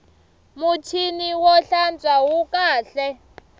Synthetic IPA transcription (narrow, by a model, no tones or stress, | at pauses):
mutʰiniwɔɬand͡zawukʼaːɬɛ